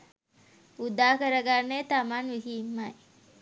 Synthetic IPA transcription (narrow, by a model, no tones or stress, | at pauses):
ud̪aːkəɾəɡanːet̪amanʋiɦiːmːaj